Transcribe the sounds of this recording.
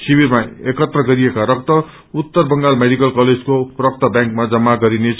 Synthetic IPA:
sibirmaekʌt̪rʌɡʌɾijekaɾʌk̚t̪ʌ | ut̪ːʌrbʌŋɡalmeɽikʌlkʌled͡zkoprʌk̚t̪ʌbjãŋkmad͡zʌmːaɡʌɾinet͡s

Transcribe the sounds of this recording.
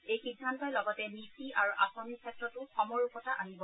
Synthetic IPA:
ejxidʱːantɔjlɔɡɔtɛmitiʔaɹuʔasɔnikʰɛtɹɔtʊxɔmɔɹukɔtaʔanibɔ

